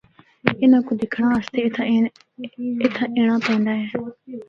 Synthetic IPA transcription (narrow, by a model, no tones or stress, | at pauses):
ɪnãːkud̪ɪkʰɽãːəst̪e | ɪt̪ʰãːʔeːɽ̃ãːpɛ̃nd̪aːɦɛː